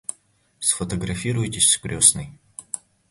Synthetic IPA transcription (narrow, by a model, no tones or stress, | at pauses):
sfət̪əɡɾɐfʲiɾʊjtʲɪsʲskɾʲosnɨj